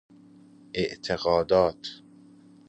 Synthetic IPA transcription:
ʔeʔt̪ʰeɣɒːd̪ɒːt̪ʰ

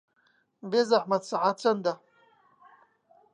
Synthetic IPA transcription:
bezaħmat͡saʕat͡sʷʰand̪a

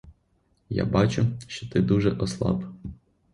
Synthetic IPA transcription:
ja̰bɑt͡ʃʊʃt͡ʃɔ̥t̪ɪd̪uʒɛʔɔslˠɑ̰b

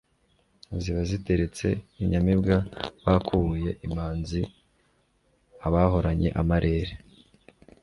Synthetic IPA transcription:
ziβazite̞ɾe̞t͡se̞iɲamibɡaβakʰuβuje̞ʔimaːnzi | aβaːɦo̞ɾaɲe̞̰ʔamaɾʔe̞ːɾe

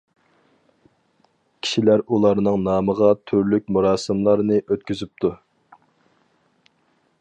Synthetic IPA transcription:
kʲʰi̥ʃilæɾulˠɑɾnɨŋnɑːməʁɑt̪ʰyɾlyk̚ʲmuɾɑːsɨmlˠɑɾnɨʔøt̪̚kʲyzyp̚t̪ʰu

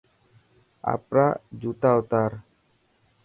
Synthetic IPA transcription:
a̰pɾad͡ʒut̪aut̪aɾ

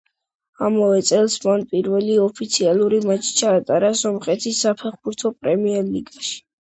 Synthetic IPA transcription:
amavɛt̪sʼɛlˠsmanpʼiɾvɛliɔpʰit̪sʰialˠuɾimat͡ʃʰi̥t͡ʃʰaːt̪ʼaɾazɔmχʼɛt̪ʰisːapʰɛχbuɾt̪ʰɔpʼɾɛmiɛɾliɡaʃi̥

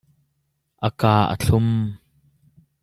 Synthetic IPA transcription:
ʔəkaːʔə̰t͡ɬʰʊm

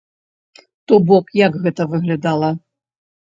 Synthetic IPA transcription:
t̪ɔbɔkjɐɡɣɛt̪ɐvɨɣlʲad̪alˠɐ

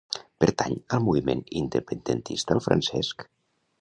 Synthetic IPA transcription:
pəɾt̪aɲəlˠmuβimenind̪əpənd̪ənt̪ist̪əlˠfɾə̰nsɛsk

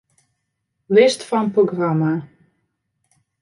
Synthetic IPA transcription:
lɪstfɑnproɡrama

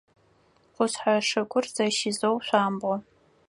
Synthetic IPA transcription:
qʷʊɕħaʂɐkʷʼʊrz̥ɐʃɪzowɕʷaːmbɔ

